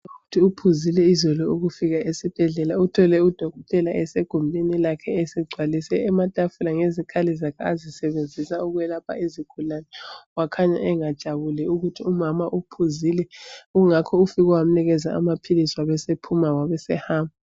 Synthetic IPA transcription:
uutʰiupʰuzilɛizɔlɔuɣufiɣaʔesib̥ʱɛɮɛlautʰɔlɛud̥ʱɔɣɔtʼɛlaʔɛseɡ̥ʱumbʱinilakʰɛɛsiɡ͡ǀʱwalisɛːmatʼafulaŋezikʰalizakʰɛazisɛβend͡zʱisauɣuwɛlapʰa̰iziɡ̥ʰʱulanɛwakʰaɲa̰ʔɛŋad̥ʒ̥ʱaβulɛuɣutʰiumamaʔupʰuzilɛuŋakʰɔufiɣɔwam̩niɣɛzaa̰mapʰiliswaβɛsepʰumawaβɛsɛhaːmbʱa

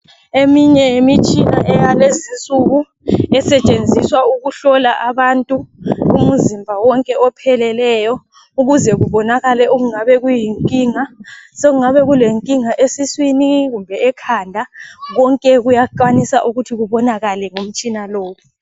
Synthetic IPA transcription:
emiɲɛemit͡ʃʼina̰ʔɛjalezint͡sʼuɣu | ɛsɛt͡ʃʼend͡zʱiswauɣuɬɔlaʔaβantʼuum̩zimbʱawɔŋkʼɛɔpʰɛlɛlɛjɔ | uɣuzɛɣuβɔnaɣalɛʔoɣuŋaβɛɣujiŋkʼiːŋasoɣuŋaβɛɣuleŋkʼiŋaʔesiswiniɣumbʱɛɛkʰandʱaɣɔŋkʼɛɣujaǃanisaʔuɣutʰiɣuβɔnaɣalɛŋom̩t͡ʃʼinaloːwu

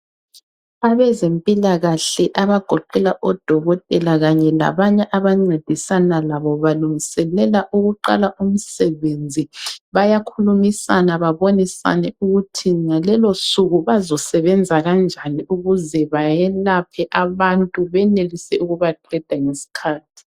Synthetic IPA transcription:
aβɛzempʼilaɣaɬɛʔaβaɡ̥ʱɔǃɛlaʔɔd̥ʱɔɣɔtʼɛlaɣaɲɛla̰βaɲɛʔaβaŋ͡ǀed̥ʱisanalaβɔβaluŋisɛlɛlaʔuɣuǃa̰laʔum̩sɛβend͡zʱiβajakʰulumisanaβaβonisa̰nɛuɣutʰiŋalɛlosuɣuβazɔsɛβɛnd͡zʱaɣand͡ʒʱaniuɣuzɛβajɛlapʰɛʔaβantʼuβɛnelisɛuɣuβaǃɛd̥ʱaŋesi̥kʰaːtʰi̥

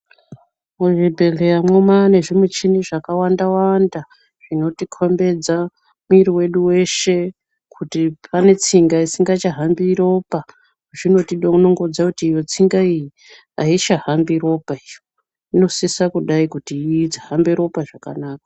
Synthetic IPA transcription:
muʐibʱe̞ɮe̞jamwomane̞ʐimwet͡ʃiniʐakawandawanda | ʐ̥ino̞tikʰo̞mbe̞d͡za | muiɾiwe̞ɗuwe̞ʃe̞ | kʰutipʰane̞t͡siŋɡaisiŋɡat͡ʃaɦambiɾo̞pa | ʐino̞tiɗouno̞ŋɡod͡zakutiːjo̞t͡siŋɡaiji | ait͡ʃaɦambiɾo̞paijo | ino̞sisakuɗaikutid͡zaɦambiɾo̞paʐaka̰naːka

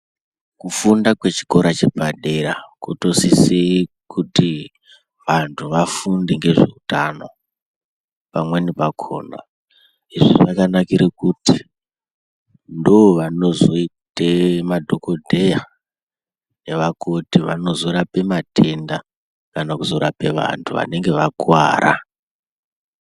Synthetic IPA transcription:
kufundakwe̞t͡ʃi̥ko̞ɾat͡ʃepaɗe̞ɾakoto̞sisei | kuti | ʋantʰuʋafundeŋɡe̞ʐeutano̞̰ | pamwenipakʰo̞̰ːna̰ | iʐiʐakanakiɾekuti | ndooʋano̞zo̞itemadʱo̞ko̞dʱe̞ja | eʋako̞tiʋa̰no̞zoɾape̞matʰe̞nda | kanakuzo̞ɾape̞ʋa̰ntʰuʋa̰ne̞ŋɡe̞ʋakwaːɾa̰

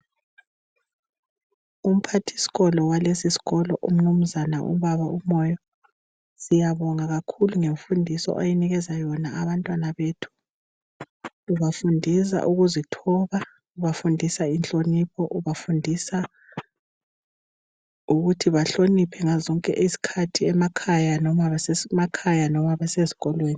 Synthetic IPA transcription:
um̩pʰatʰi̥si̥ɣɔlɔwalesisi̥ɣɔlɔʔṵm̩num̩zanaʔṵβaβaʔumɔjɔ | sijaβɔŋaɣakʰuluŋeɱfundʱisɔ̰ʔajɛniɣɛzajɔnaːβantʼwanaβetʰu̥ | βafundʱis̬a̰ʔuɣuzitʰɔβa | uβafundʱisainɬʼonipʰɔʔuβafundʱisa | uɣutʰiβaɬonipʰɛŋazɔŋkʼɛʔisi̥kʰatʰiɛmakʰajanɔmaβɛsemakʰajanɔmaβɛsezi̥ɣɔlweːni

